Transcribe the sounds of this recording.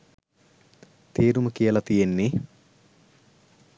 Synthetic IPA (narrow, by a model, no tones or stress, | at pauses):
t̪ʰeːɾuməkijəlɐt̪ijenːi